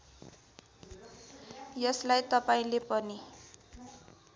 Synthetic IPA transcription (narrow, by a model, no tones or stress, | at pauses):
jʌslajt̪ʌpaĩlepʌni